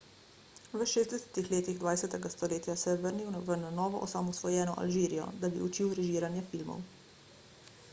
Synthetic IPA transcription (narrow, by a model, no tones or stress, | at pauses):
ʋəʃeːzd̪ɛsɛ̥t̪ixleːt̪iɣd̪ʋaːjsɛt̪ɛɡast̪ɔleːt̪jasɛʋəɾniwʋənanɔːʋɔʔɔsamɔsʋɔjɛːnɔʔa̰lʒiːɾijɔ̰d̪abḭut͡ʃiwɾɛʒiːɾanjafilmɔ̰w